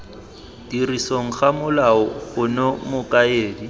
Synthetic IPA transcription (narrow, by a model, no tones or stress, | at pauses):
d̥irisoŋ̩χamʊlaɔʊnomʊkʼaeːdi